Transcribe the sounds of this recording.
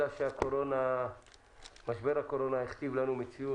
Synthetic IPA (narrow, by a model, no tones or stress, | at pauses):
aʃeako̞ɾo̞na | maʃbe̞ʁhako̞ɾo̞naeχt̪ivlanumet͡siu